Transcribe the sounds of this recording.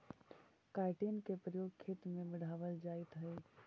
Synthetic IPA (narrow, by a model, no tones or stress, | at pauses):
kaːɪʈeːnkepɾəjoːɡ̚kʰeːt̪mẽmɪɽ̤aːʋəld͡ʒaːit̪ɦəe